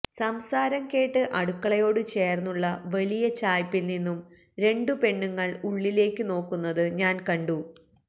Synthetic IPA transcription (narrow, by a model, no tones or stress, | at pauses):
sɐmsaːɾɐmke̞ːʈːɨʔɐɽukːɐɭɐjo̞ːɽɨt͡ɕe̞ːrnːuɭːɐʋɐlijɐt͡ɕaːjpːilninːum | ɾe̞ɳɖɨpe̞ɳːuŋːɐɭuɭːile̞ːkʲːɨno̞ːkːunːɐðɨɲaːnkɐɳɖu